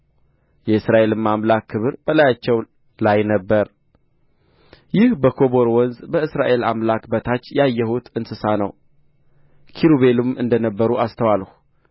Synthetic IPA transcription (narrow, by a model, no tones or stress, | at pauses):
jɛɨsɾaʔe̞lɨmːamlakʰːɨβɨɾb̥əlajat͡ʃːɛw | lajnəbːəɾ | jɪhbəkʰo̞bo̞ɾwɔnzbəɨsɾaʔe̞lamlakbət̪ʰat͡ʃːjajːɛhut̪ɨnsɨsanə̰w | kʰiɾuβe̞lumʔɨnd̪ənəbːəɾuast̪ʰəwalhu